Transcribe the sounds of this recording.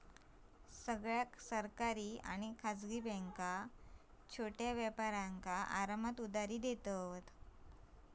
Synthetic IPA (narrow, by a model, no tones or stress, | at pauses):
səɡɭjaksəɾkaɾiːa̰ñikʰad͡zɡiːbɛ̃ŋka | t͡ɕʰoʈjaʋjəpaɾaŋkaʔaɾamət̪ud̪aɾiːd̪et̪ət̪